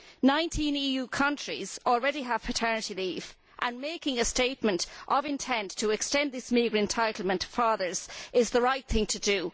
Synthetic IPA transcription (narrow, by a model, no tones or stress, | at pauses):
nãɪ̃ntʰĩniːjuːkʰʌ̃nt͡ʃɹ̥ḭz̥ɔlˠɹɛɾiəv̥pʰətʰɜ˞nɨtiliːv | ʔə̃nmeɪkɪ̃ŋəsteɪt̚mə̃ntʔəvɪ̃ntʰɛ̃ntʰəɛkstɛ̃nðɪsmiɡɹɨ̃ntʰaɪtˡl̩ˠmə̃ntfaːðə˞z̥ʔɪzðəɹaɪt̪̚θɪ̃ŋtʰədə